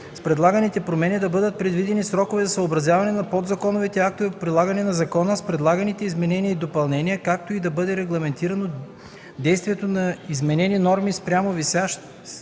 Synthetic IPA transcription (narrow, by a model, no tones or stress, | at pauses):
spɾɛd̪lˠaɡɐnit̪ɛpɾomɛnid̪ɐbɤd̪ət̪̚pɾɛd̪vid̪ɛnisɾɔkovɛzɐsɐobɾɐzʲjavɐnɛnɐpɔd̪zɐkɔnovit̪ɛak̚t̪oviot̪̚pɾilˠaɡɐnɛnɐzɐkɔnəspɾɛd̪lˠaɡɐnit̪ɛizmɛnɛniəid̪opɐlˠnɛniəkak̚t̪oid̪ɐbɤd̪ɛɾɛɡlˠɐmɛnt̪iɾɐno | d̪ɛjst̪viɛt̪onɐizmɛnɛninɔɾmispɾʲamovisaʃt̪